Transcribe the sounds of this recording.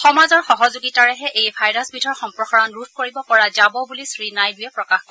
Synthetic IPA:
xɔmazɔɹxɔɦɔzuɡitaɹɛɦɛʔejbʱajɹasbidʱɔɹxɔmpɹɔxaɹɔnɹud̚ʰkoɹibɔpɔɹazabɔbulisɹinajdʊjɛpɹɔkaxkɔ

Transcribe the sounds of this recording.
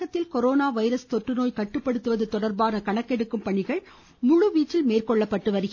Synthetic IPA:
ɣɐt̪ːɪlkɔɾoːnaːʋɐɪɾɐst̪ɔʈrɯnoːjkɐʈːɯpːɐɽɯt̪ːɯʋɐðɯt̪ɔɽɐɾbaːnɐkɐɳɐkːɛɽɯkːɯmpɐɳɪɣɐɭ | mʊɻʊʋiːt͡ʃːɪlmeːrkɔɭːɐpːɐʈːɯʋɐɾɯɣ

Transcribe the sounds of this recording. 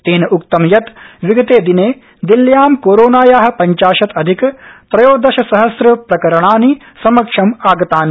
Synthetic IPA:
t̪eːnɐuk̚t̪ɐmjɐt̪ʋiɡɐt̪eːd̪ineː | d̪iljaːmkoːɾoːnaːjaːɦɐ̆pɐɲt͡ʃaːʃɐt̪ɐd̪ʱikpɾɐjoːd̪ɐʃɐsɐɦɐsɾɐpɾɐkɐɾɐɳaːni | sɐmɐkʂɐmaːɡɐt̪aːni

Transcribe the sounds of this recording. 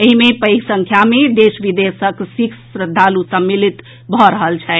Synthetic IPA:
eɦimepəjksəŋkʰjamed̪esʋid̪esəksiksɾəd̪ʱːalusəmːilit̪ | bʱɔɾəɦəlt͡ʃʰɛ

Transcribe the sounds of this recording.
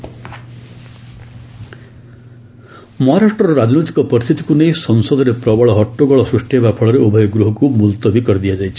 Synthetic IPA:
mɔɦaɾaʂʈɔɾɔɾad͡ʒnojt̪i̥kɔpɔɾist̪ʰit̪i̥kunejsɔŋsɔd̪ʱɔɾepɾɔbɔɭɔɦɔʈːoɡɔɭɔsɾusʈiɦebapʰɔɭɔɾeubʱɔjɔɡɾuɦɔkumult̪ɔbikɔɾid̪iad͡ʒajt͡ʃʰi̥

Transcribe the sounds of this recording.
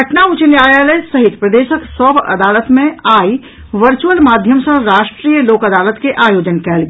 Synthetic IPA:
ɡʱəʈnaut͡ʃənjajalesəɦit̪pɾəd̪eʃəksəbʱə̰d̪aːlət̪mẽai | ʋəɾt͡ʃuəlmad̪ʱjəmsə̃ɾaʃʈɾijəloːkəd̪aːlət̪keʔaːjod͡ʒənkɛlɡe

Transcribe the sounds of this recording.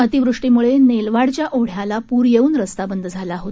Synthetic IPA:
ət̪iʋɾuʂʈimuɭenelʋaɽt͡ɕjaʔoɽ̤jalapuɾjeuːnɾəst̪abənd̪ʱd͡zʱalaɦot̪

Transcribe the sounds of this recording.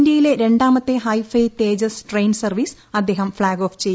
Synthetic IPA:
nd̪jɐjileɾe̞ɳɖaːmɐt̪ːeɦɐjfɐjt̪e̞ːd͡ʑɐsʈrejnsɐrʋiːs | ɐd̪ʱːe̞ːɦɐmfɭaːɡoːft͡ɕej

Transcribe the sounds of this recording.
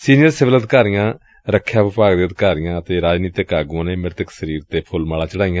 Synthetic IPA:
siːnɪjəɾsɪʋələd̪kaːɾɪjãː | ɾəkʰːjaːʋɪpaːɡd̪eːəd̪kaːɾɪjãːət̪eːɾaːd͡ʒniːt̪ɪkaːɡãːneːmɪɾt̪əksəɾiːɾt̪eːpʰʊlmaːlaːt͡ʃəɽaːɪjãː

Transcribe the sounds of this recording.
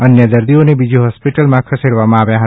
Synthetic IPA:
ənjəd̪əɾd̪ijõnebid͡ʒoɦɔspiʈəlmãkʰəseɽʋamãːʋjãɦə

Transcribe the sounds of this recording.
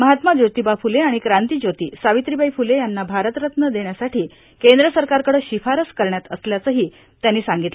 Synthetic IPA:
məɦat̪mad͡ʑot̪iːbafuleaɽ̃ikɾant̪iːd͡ʑot̪iːsaʋit̪ɾibʱaifulejanːabʱaɾət̪ɾət̪nəd̪eɳjasaʈiː | kend̪ɾəsəɾkaɾkəɽəːɕifaɾəskəɾɳjat̪əsljat͡səɦiː | t̪janːiːsaŋɡit̪lə

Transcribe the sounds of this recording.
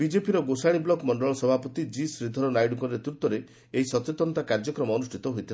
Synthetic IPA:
bid͡ʒepiɾɔɡosaɽ̃iblɔkmɔɳɖɔɭ̃ɔsɔbʱapɔt̪id͡ʒisɾid̪ʱːɔɾɔnajɖukɔnɾet̪ɾut̪ɔɾe | eisɔt̪et̪ɔnt̪akaɾd͡ʒɔkɾɔmɔːnusʈʰit̪ɔɦojt̪ʰi

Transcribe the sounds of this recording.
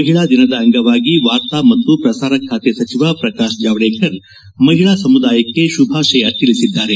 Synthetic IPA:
ɐɦiɭaːd̪inɐd̪ɐɐŋɡɐʋaːɡiʋaːɾt̪aːmɐt̪ːupɾɐsaːɾɐkʰːaːt̪esɐt͡ʃiʋaːpɾɐkaːʃd͡ʒaːʋɐɽeːkʰɐɾ | mɐɦiɭaːsɐmud̪aːjɐkːeʃubʱaːʃɐjɐt̪ːilisid̪ːaːɾe

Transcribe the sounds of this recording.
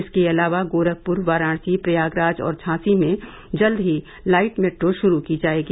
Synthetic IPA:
ɪskeɐlaːʋaɡoːɾək̚pʊɾʋaːɾaːɽ̃sipɾɐjaːɡɾaːd͡ʒɔ̰ːɾt͡ʃʰãːsimẽ | d͡ʒɐld̪ɦi | laːɪʈmɛːʈɾoʃʊɾukid͡ʒaːeːɡiː

